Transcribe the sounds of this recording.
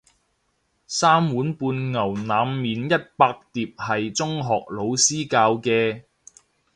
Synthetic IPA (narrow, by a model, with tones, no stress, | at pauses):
saː˥mwuː˨˥npuː˧nŋɐ˨˩wnaː˨˧˥mːiː˨njɐ˥t̚paː˧k̚t̪iː˨p̚hɐ˨jt͡sʊ˥ŋɦɔː˨k̚lo˨˧wsiː˥kaː˧wkɛː˧